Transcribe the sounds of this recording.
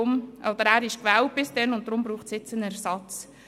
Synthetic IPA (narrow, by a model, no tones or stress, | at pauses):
ʊmʔɔd̥̪əɾæːɾɪʃkvæːlt̚b̥ɪsd̥ɛnʊnt̚d̥̪ɾʊmbɾuːχtsɪt͡sənɛɾsɑt͡s